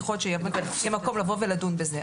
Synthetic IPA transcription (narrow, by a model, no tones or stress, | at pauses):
χot̪ʃejemjemako̞mlavoveladunbeze